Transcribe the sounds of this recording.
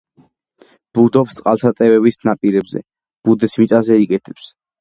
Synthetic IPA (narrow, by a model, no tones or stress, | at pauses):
b̥ud̪ɔpst̪sʼqʼalˠt̪ʰat̪ʼɛvɛbisnapʼiɾɛbzɛ̰ | b̥ud̪ɛsmit̪sʼazɛikʼɛt̪ʰɛ̥ps